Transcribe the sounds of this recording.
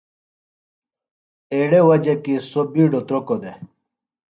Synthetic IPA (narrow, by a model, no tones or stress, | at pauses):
eːɽewɐd͡ʑekisobiːɖot̪ɾokod̪e